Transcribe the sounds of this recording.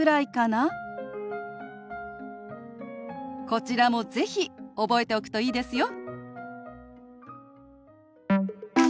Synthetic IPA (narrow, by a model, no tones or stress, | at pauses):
ɨɾaikana | ko̞t͡ɕiɾamo̞ze̞çio̞bo̞e̞t̪e̞o̞kɯ̥t̪o̞iːd̪e̞sɨjo̞